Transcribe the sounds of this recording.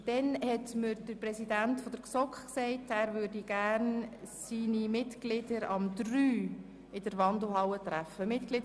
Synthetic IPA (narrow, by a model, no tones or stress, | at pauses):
d̥ɛnhɛtməɾd̥əɾprɛsidæntfɔd̥əɾksɔkχksɛɪtæːɾvʏɾdiɡ̥æːɾnsiːnimɪtɡ̥lɪdəɾɑmd̥ryː | ɪd̥əɾʋɑndl̩ɦɑwətɾæfəmɪtɡ̥lɪ